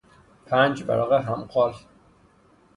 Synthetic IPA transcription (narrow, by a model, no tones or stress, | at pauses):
pʰænd͡ʒbæ̰lɒːɣeɦæmqɒːl